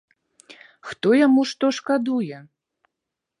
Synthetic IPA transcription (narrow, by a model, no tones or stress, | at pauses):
xt̪ɔjamuʂt̪ɔʂkad̪ujɛ